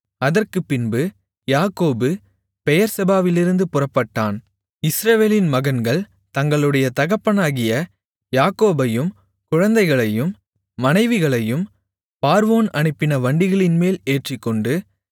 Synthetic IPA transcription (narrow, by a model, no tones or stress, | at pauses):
ɐðɐrkɯpːɪnbɯ | jaːkoːbɯ | pɛjɐɾsɐbaːʋɪlɪɾɯnd̪ɯpʊrɐpːɐʈːaːn | ɪsɾɐʋeːlɪnmɐɣɐnɡɐɭ | t̪ɐŋɡɐɭɯɽɐjɐt̪ɐɣɐpːɐnaːɣɪjɐ | jaːkoːbɐjɯm | kʊɻɐnd̪ɐɪɣɐɭɐjɯmː | ɐnɐɪʋɪɣɐɭɐjɯm | paːɾʋoːnɐɳɪpːɪnɐʋɐɳɖɪɣɐɭɪnmeːleːʈrɪkːɔɳɖɯ